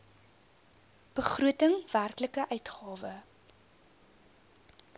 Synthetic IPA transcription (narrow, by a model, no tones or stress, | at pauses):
b̥əχruətəŋv̥ærkləkəʔœɥtχɑːvə